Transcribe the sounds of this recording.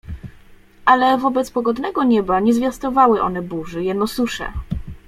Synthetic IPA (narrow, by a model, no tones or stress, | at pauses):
ʔalɛvɔbɛt̪spɔɡɔd̪nɛɡɔɲɛbaɲɛzvʲjast̪ɔvawɘʔɔ̰nɛbuʐɘjɛnɔsuʂɛ̰